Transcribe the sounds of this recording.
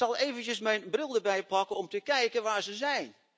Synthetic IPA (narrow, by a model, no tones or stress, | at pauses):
sɑlˠeːvəntjəsmɛjnbrɪlˠdərbɛjpɑkənɔmtəkɛjkənʋaːɹzəzɛjn